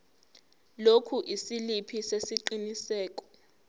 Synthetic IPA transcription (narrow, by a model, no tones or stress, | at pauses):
lokʰuʔisilipʰisesiǃinisɛːk̬ʼɔ̥